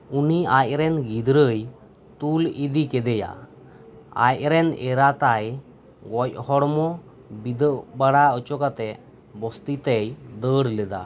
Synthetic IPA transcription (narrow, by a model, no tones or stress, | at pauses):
uniaj̚ɾɛnɡid̪ɾəj | t̪ulid̪ikɛd̪ɛja̰ | a̰jɾɛnɛɾat̪aj | ɡɔj̚hɔɽmɔ | bid̪əʔbaɽaət͡ʃɔkat̪ɛ | bɔst̪it̪ɛjd̪əɽlɛd̪a̰